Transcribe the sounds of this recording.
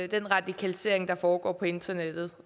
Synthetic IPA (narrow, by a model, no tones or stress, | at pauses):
d̥enʁɑ̈d̥ikʰælise̝ɐe̝ŋd̥ɑ̈fɒːɡ̥ɒ̰ːpʰɒ̽e̝nd̥ɐned̥ð̩ˠ